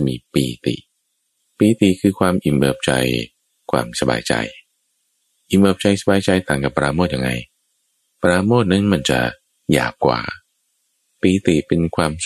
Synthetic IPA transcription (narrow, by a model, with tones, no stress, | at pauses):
miː˧piː˧t̪ḭ˨˩ʔ | piː˧t̪i˨˩kʰɯː˧kʰwaː˧mʔi˨˩mʔɤː˨˩p̚t͡ɕa̰˧j | kʰwaː˧msa˧ba̰ː˧jt͡ɕa̰˧j | ʔi˨˩mʔɤː˨˧˩p̚t͡ɕa˧jsa˧baː˧jt͡ɕa˧jt̪ʰaː˨˩ŋka˨˩pːɾaː˧moː˥˩ja˧ŋa˧j | pɾaː˧moː˥˩t̪̚na˦˥nma˧nt͡ɕa̰˨˩ | ja̰ː˨˩p̚kwa̰ː˨˩ | piː˧t̪i˨˩pe˧nkʰwaː˧m